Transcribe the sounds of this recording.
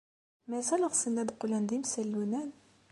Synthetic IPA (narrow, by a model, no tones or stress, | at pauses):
mæsæləʁsənd̪æd̪qulænd̪imsælːunæn